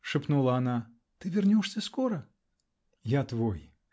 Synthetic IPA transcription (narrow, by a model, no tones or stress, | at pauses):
ʂɨpnulˠɐɐna | t̪ɨvʲɪrnʲɔʂsʲɐskɔɾɐ | jat̪voj